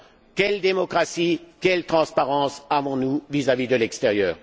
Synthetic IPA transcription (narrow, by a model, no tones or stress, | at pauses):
kʲɛld̪emɔkχasikʲɛlt̪χɑ̃spaʁɑ̃savɔ̃nuvizavid̪əlɛkst̪eʁjœːʁ